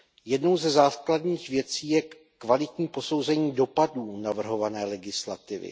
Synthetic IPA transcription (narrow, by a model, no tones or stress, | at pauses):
jɛdno̞wzɛzaːkladɲiːxvjɛt͡siːjɛ | kvalɪt̪ɲiːpo̞so̞wzɛɲiːdo̞paduːnavr̩ɦo̞vanɛːlɛɡɪsla̰t̪ɪvɪ̰